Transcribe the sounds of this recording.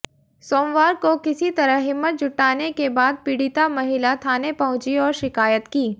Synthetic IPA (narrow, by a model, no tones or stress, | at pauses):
soːmwaːɾkokɪsit̪ɐɾəɦɦɪmːət̪̚d͡ʒʱʊʈːaːnekebaːd̪̚pɪɽɪt̪amɐɦɪlat̪ʰaːnepɐɦʊ̃t͡ʃiɔːɾʃɪkaːjət̪kiː